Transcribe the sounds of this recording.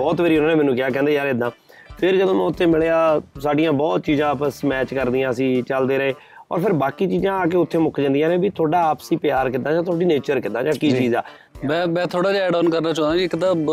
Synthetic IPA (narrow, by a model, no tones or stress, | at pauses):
bɔːt̪ʋeːɾiːɦʊnãːnẽːmɛːnũːkɪjaːkɛ̃ːnd̪eːjaːɾed̪ãː | pʰɪɾd͡ʒəd̪õːm̃ːʊt̪ʰːeːmɪɭeːaːsaːɖijãːbɔːt̪t͡ʃiːzãːpəsmɛːt͡ʃkəɾd̪iːãːəsĩːt͡ʃəld̪eːɾəeː | ɔ̰ːɾpʰɪɾbaːkiːt͡ʃiːzãːaːk̬eːʊt̪ʰːeːmʊkd͡ʒə̃nd̪ijãːnẽːbiːt̪ʰoːɖaːaːpsiːpɪjaːɾkɪt̪ːaːd͡ʒaːt̪ʰoːɖiːneːt͡ʃəɾkɪt̪ːãːd͡ʒãːkiːt͡ʃiːzaː | mɛ̃ːmɛ̃ːt̪ʰoːɽaːd͡ʒaːɛːɖɔːnkəɾnaːt͡ʃɔ̃ːd̪ãːd͡ʒikt̪ãː